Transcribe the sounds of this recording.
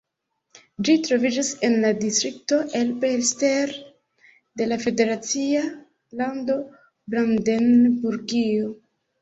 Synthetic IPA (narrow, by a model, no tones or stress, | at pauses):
d͡ʒitɾo̞vid͡ʒase̞nladistɾik̚to̞ʔe̞lbelsteɾ | de̞lafe̞de̞ɾat͡sia | lando̞ | bɾandenbuɾɡio